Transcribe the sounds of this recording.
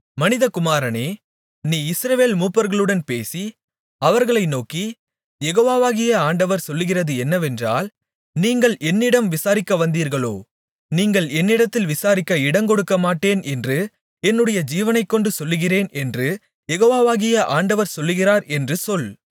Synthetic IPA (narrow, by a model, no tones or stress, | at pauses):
mɐnɪðɐkʊmaːɾɐneː | niːɪsɾɐʋeːlmuːpːɐɾɣɐɭɯɽɐnpeːsi | ɐʋɐɾɣɐɭɐɪnoːki | jɛɣoːʋaːʋaːɣɪjɐaːɳɖɐʋɐɾsɔlːɯɣɪrɐðɯɛnːɐʋɛndra̰ːl | niːŋɡɐɭʔɛnːɪɽɐmʋɪsaːɾɪkːɐʋɐnd̪iːɾɣɐɭo̰ː | niːŋɡɐɭɛnːɪɽɐt̪ːɪlʋɪsaːɾɪkːɐɪɽɐŋkɔɽɯkːɐmaːʈːeːnɛndrɯ | ɛnːɯɽɐjɐd͡ʒiːʋɐnɐɪkːɔɳɖɯsɔlːɯɣɪreːnɛndrɯ | jɛɣoːʋaːʋaːɣɪjɐʔaːɳɖɐʋɐɾsɔlːɯɣɪraːɾɛndrɯsɔl